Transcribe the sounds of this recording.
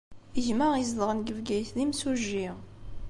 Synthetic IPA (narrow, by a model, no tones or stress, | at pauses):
əʝməʁizd̪ˤʁənɡəvɡæjθlimsuʒːi